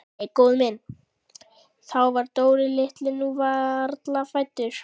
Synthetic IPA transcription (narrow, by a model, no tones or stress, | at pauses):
ejkowðmɪn | θawvaɾt̪oːwɾɪlɪht̪lɪnːuvaɾt̪lafajt̪ːʏɾ̥